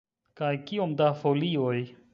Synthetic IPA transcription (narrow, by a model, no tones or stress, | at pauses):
kajkiomdafolioj